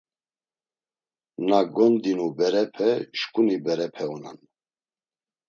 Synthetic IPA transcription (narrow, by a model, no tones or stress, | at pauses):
naɡɔnd̪inubɛɾɛpʰɛʃkʼunibɛɾɛpʰɛunan